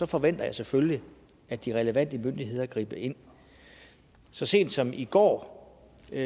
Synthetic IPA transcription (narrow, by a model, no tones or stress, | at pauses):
sɒ̽fɒ̽ʋen̰d̥ɐjɑ̈ɪsefølli | æd̥iʁɛləʋæn̰d̥əmønd̥iɦe̝ð̞̰ˠɐɡ̥ʁḭːb̥əʔe̝n̰ | sɒ̽se̝̰ːnd̥sɒ̽miɡ̥ɒ̰ː